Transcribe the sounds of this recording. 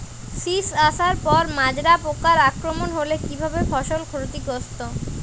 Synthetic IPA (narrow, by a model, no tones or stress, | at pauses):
sisaʃaɾpɔɾmad͡ʑɾapokaɾakɾomonɦolekibʱabefɔʃolkʰoɾt̪ikost̪o